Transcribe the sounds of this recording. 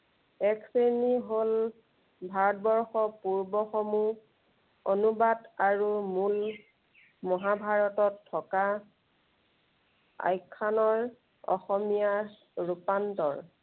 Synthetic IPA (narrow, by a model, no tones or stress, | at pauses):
ɛkseniɦol | bʱaɹɔt̚bɔɹxɔpuɹbɔxɔmu | onubadaɹumul | mɔɦabʱaɹɔtɔtʰːɔka | a̰jkʰːanɔɹ | ɔ̰xɔmija | ɹupantɔ̰ɹ